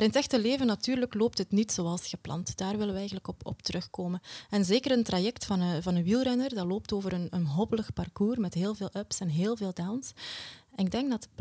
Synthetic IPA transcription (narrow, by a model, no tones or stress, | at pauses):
maːɾɪnətɛxtəleːvənɑtyːrləkloːp̚tɦətnitsoːɑlˠsxəplɑ̰ntd̥aːrʋɪləʋəɛjɣənləkɔpɔ̰ptəɾɵxkoːmənɛnzeːkəɾəntrajɛktfɑnəvɑnənʋilˠrɛnərdaloːp̚toːvəɾənənɦɔbələxpɑrkuːrmɛtɦeːlˠveːlˠœpsɛnɦeːlˠveːlˠdawnsɛnɪɡ̚dɛŋɡdɑtb